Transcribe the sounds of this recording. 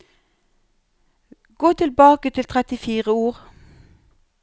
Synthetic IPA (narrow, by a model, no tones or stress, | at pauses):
ɡ̥oːt̪ʰɪlbɑːkət̪ʰɪlt̪ʰʁɛt̪ɪfiːʁəuːʁ